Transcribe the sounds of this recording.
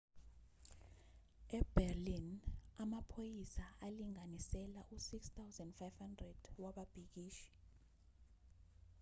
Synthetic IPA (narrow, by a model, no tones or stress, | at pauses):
ɛbɛrlinamapʰojisaʔaliŋanisɛlaʔusikst̪ʰawzɛndfajv̥handrɛd̥waɓab̥ʱik̬iːʃi̥